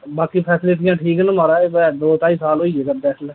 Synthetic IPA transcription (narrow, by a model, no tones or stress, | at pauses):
baːkipʰɛːsleːt̪ɪjãːʈʰiːknə̃məɾaːebɛd̪oːt̪aːiːsaːloːiːeːkəɾd̪eːslɛː